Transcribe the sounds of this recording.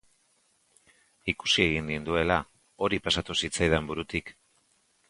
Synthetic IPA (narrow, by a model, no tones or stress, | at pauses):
iku̥sie̞ɣ̞ind̪ind̪ue̞la | o̞ɾipasat̪usit͡sajð̞embuɾut̪ik